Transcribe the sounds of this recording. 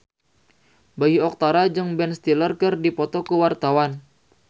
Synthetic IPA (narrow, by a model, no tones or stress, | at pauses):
baiɔk̚t̪aɾad͡ʒɨŋbɛnst̪ilərkərdipɔt̪ɔkəwart̪awan